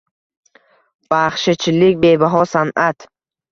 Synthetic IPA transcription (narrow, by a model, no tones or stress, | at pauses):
b̥aχʃɪt͡ʃʰɪlɪk̚ʲbebaɦɒsanʔat̪